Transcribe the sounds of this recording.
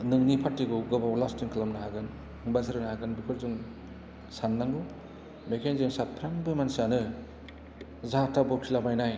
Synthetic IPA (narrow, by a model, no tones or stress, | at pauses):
nɯŋnipʰatːiɡuɡɯbawlastiŋkʰɯlɯmnaɦaɡɯn | ŋbasɯɾɯnhaɡɯnbikʰɯɾzuŋ | sanːaŋɡu | mekʰenzemsat̚pʰɾaŋbɯmansanɯ | zatabɔkʰilabajnaj